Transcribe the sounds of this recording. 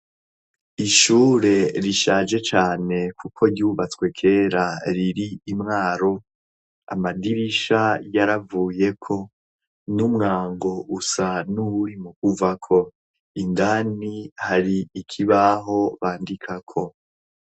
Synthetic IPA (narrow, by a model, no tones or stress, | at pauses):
iʃuːɾe̞ɾiʃaːd͡ʒe̞t͡ʃaːne̞kʰukʰo̞ɾɟuːβat͡swe̞kʰe̞ːɾaɾiɾiimŋaːɾo̞ | a̰madiɾiʃajaɾavuːje̞kʰo̞ | numŋaːŋɡo̞ʔusanuβuɾimukuvakʰo̞ | indanihaɾiːkʰiβaɦo̞βaːndikʰakʰo̞